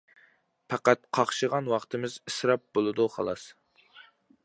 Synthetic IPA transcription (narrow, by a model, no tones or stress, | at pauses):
pʰæqæt̪̚qʰɑχʃəʁɑnwɑχt̪ʰɨmɪzisɾɑp̚bolˠɨd̪uχɑ̰lˠɑs